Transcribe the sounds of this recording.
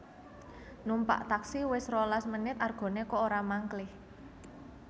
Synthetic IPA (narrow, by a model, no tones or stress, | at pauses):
numpa̰ʔt̪aksiwɪsrolasmənɪt̪arɡ̥ɔ̤nekɔoɾamaŋklɪh